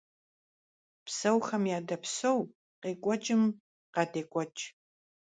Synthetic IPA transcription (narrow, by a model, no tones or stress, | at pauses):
psɐwxɐmjaːdɐpsow | qeːkʷʼɔt͡ʃʼɪm | qɑːdeːkʷʼɔt͡ʃʼ